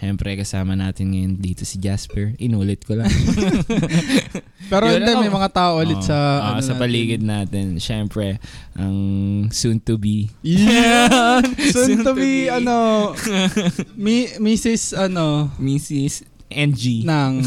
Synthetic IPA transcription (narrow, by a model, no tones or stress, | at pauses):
ʃɛmpɾɛkɐsaːmɐnaːt̪ɪnŋɐjond̪iːt̪osid͡ʒaspɛɹʔɪnuːlɪt̪̚kolɐ | pɛːɾoʔɛ̃nd̪ɛmɐjmɐŋat̪aːʔoʔɐlɪsɐʔɐsɐpɐliːɡɪd̪̚naːt̪ɛnʃɛmpɾɛ | ʔɐŋsunt̪ubi | sunt̪ʊbiɐno | mimiːsɪsɐnomiːsɪs | ʔɛnd͡ʒinɐŋ